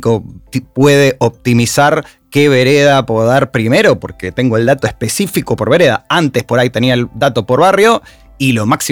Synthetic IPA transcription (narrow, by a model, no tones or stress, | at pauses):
kopweð̞eʔop̚t̪imisaɾ | keβ̞eɾeðapoðaɾpɾime̞ɾo̞po̞̰ɾke̞t̪e̞ŋɡoeld̪at̪oespe̞sifikopo̞ɾβe̞ɾeðaant̪espo̞ɾajt̪e̞niaeld̪at̪o̞po̞ɾβarjo̞ | ilo̞maksi